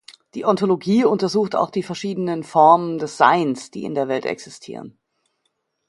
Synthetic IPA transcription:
d̥iːʔɔntoloɡiːʊntɐzuːxta̰ʊxd̥iːfɛɐʃiːdənənfɔɐməndɛsz̥a̰ɪnsd̥ḭːɪ̰ndeːɐvɛltɛ̰ksɪstʰḭːʁ̞ə̰n

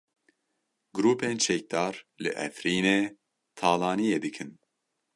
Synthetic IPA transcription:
ɡɨɾuːpeːnt͡ʃʰɛk̚d̪ɑːɾlɨʔɛ̰fɾiːneː | t̪ʰɑːlɑːnijeːd̪ɨkʰɨn

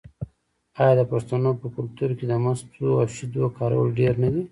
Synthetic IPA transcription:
ɑjɑd̪əpaʂt̪anopəkʊlt̪uɾked̪əmast̪oafʃid̪wakɑɾawə̰lɖeɾnawi

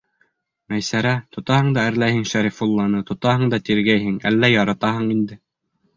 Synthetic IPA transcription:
mæjsæɾæt̪ŏt̪ɑhɤɴd̪ɑɘ̆ɾlæjhɘŋʃæɾifulˠːɑnɤt̪ŏt̪ɑɦɤɴd̪ɑt̪iɾɡæjɦɘŋæ̰lːæjɑɾɑt̪ɑɦɤɴind̪ɘ

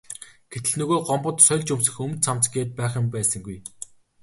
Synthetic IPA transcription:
ɡ̥et̪ɘ̆ɮnɵɣoːɢɔmpɞ̆t̪sœɮt͡ɕɵmsɘ̆xɵmt̪st͡sʰamt͡sɡeːt̪̚pæːχə̆mpæːsə̆ŋɡuj

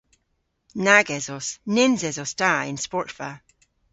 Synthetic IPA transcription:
naɡɛzɔsnɪnzɛzɔstaɪ̰̃nspɔɹtfa

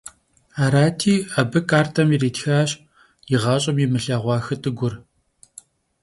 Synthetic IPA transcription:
aːɾaːtʰiːɐbɨkʼaːrtʰɐmireːtxaːɕ | jɪʁɑːɕʼɐmimɨɬaːʁʷɑːxɨtʼɨɡʷʊr

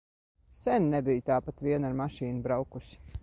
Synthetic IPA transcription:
sɛnnɛbijt̪aːpat̪viɛnaɾmaʃiːnubɾawkusi̥

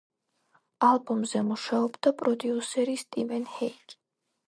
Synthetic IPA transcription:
alˠbɔmzɛmuʃaɔbd̪apʼɾɔd̪iusɛɾist̪ʼivɛnhɛjkʼ

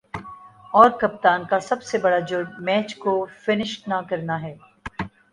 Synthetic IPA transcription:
ɔːɾkɐp̚t̪aːnkasɐbsebɐɽad͡ʒʊɾɖmɛːt͡ʃkofɪnɪʃʈnakɐɾnaɦɛː

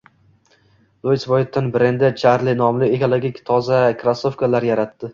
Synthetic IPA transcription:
lˠosbojɪt̪ːanbɾend̪ɪt͡ʃʰaɾlɪnɒmlɪekolˠoɡʲikʲt̪ʰɒzakɾasofkalaɾjaɾat̪ːɪ

